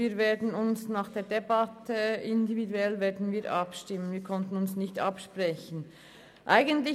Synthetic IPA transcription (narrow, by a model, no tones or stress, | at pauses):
iːɾveːɐdn̩ʊnsnaːχd̥eːɐdebɑtəɪndividuɛlveːɐdn̩viːʔɑpʃtɪmənviːkʰɔntn̩ʊnsnɪçtɑpʃpʁɛçn̩ | ʔaɪɡəntlɪ